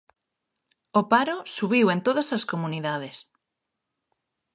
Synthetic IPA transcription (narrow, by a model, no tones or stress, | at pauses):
opaɾosuβiwent̪oðasɐskomũniðað̞es